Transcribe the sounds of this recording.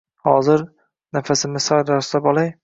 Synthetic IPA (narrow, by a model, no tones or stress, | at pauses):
hɒzɪɾ | nafasɪmɪsajd̪aɾɒslapɒlˠaj